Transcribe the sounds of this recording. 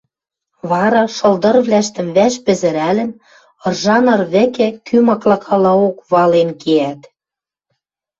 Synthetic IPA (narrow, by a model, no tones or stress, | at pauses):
βɑɾɑʃɤ̆ld̪ɤ̆rβlæʃt̪ə̆mβæʃpɘ̆zɘ̆ɾælɘ̆n | ɤ̆rʒɑnɤ̆rβɘ̆kĕkʰymɑklɑkʰɑlɑokβɑlenkeæt̪